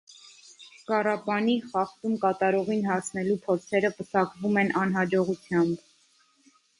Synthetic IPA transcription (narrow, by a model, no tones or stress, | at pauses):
kɑrɑpɑniχɑχt̪umkɑt̪ɑɾɔʁinhɑsnɛlupʰɔt͡sʰɛɾəpəsɑkvumɛnʔɑn̪ɦɑd͡ʒɔʁut͡sʰjɑmb